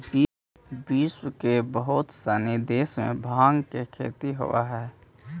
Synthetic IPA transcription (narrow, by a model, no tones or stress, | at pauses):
bi | biːswkebəɦʊt̪saned̪eːsmḛ̃bʱaːŋɡkekʰḛːt̪iɦo̰a̰ɦɛː